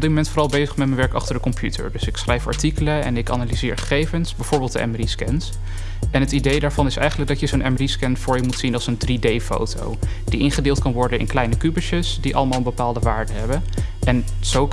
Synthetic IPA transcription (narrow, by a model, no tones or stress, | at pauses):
ɔbdɪtmomɛntfoːɾɑlˠbejzəχmɛtmənʋɛɹkɑ̰χtəɹdəkɔmpʰjʉtʰə̰ɹdɵsɪksχrɛjfɑ̰ɹtikələɛ̰nɪka̰nalizɪːɹχə̥χejvənsbɛjvʊːɹbɪlˠdəʔɛ̰mriskɛns | ɛnɦətidejdaːɹv̥ɑnɪsɛ̰jχənləɡ̚dɑtjəzownɛmriskɛnfʊːɹjəmutsinɑlˠsəndridejfo̰wto̰w | d̥iʔɪnχədɪːlˠtkɑnʋɔɹdənɪ̰nklɛjnəkybəʃəsdiʔɑ̰ləmaːlˠənbəpaːlˠdəʋaːɹdəɦɛbəʔɛn | z̥ow